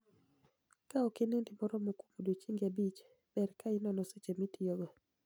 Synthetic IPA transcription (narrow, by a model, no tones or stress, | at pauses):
kaɔkenendimɔɾɔmokumudot͡ʃiŋɡabit͡ʃ | b̥ɛɾkaɪnɔnɔset͡ʃemitijoɡo